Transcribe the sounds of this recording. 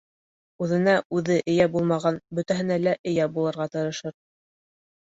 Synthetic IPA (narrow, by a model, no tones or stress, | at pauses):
ʉðɘ̆næʔʉðɘʔɘ̆jæbulˠmɑʁɑnbɵ̆t̪æɦɘ̆nælæʔɘ̆jæbulˠɤ̆ɾʁɑt̪ɤ̆ɾɤ̆ʃɤɾ